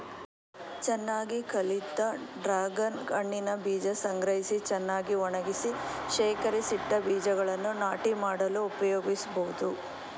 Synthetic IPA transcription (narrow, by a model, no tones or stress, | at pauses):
t͡ʃɛnːaːɡikɐlit̪ːɐɖɾaːɡɐnɡɐɳːinɐbiːd͡ʒɐsɐŋɡɾɐɦisit͡ʃɛnːaːɡiɔɳɐɡisiʃɛːkɐɾisid̪ːɐbiːd͡ʒɐɡɐɭɐnːunaːʈimaːɽɐluːpɐjoːɡisɐbɐud̪u